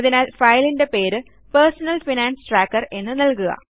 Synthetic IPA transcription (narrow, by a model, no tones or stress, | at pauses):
ðinɐlfɐjlinde̞pe̞ːɾɨ | pɐrsɐnɐlfinaːnsʈraːkːɐre̞nːɨnɐlkuɣɐ̰